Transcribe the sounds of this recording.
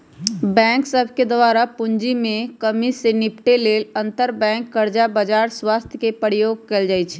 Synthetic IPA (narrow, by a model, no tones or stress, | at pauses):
bɛ̃ːŋksəbʱked̪waːɾapʊɲd͡ʒimẽkəmisenɪpʈeleːlə̃nt̪əɾbɛ̃ːŋkːəɾd͡ʒabəd͡ʒaːɾswaːst̪ʰjəkepəɾijoːɡ̚keld͡ʒaːjt͡ʃʰ